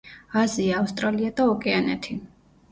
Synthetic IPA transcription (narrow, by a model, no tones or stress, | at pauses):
aziaːfst̪ʼɾaliad̪aɔkʼɛanɛ̰t̪ʰi